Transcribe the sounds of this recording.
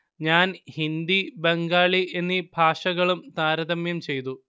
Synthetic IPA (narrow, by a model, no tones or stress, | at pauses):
ɲaːnhind̪ibeŋɡaːɭiʔe̞nːibʱaːʂɐɣɐɭumt̪aːɾɐðɐmjɐmt͡ɕe̞jt̪u